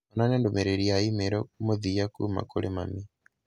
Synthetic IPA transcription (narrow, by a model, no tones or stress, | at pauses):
ɔnanɛndomɛɾɛɾiaimeɾɔmoðiakuma̰kolema̰mi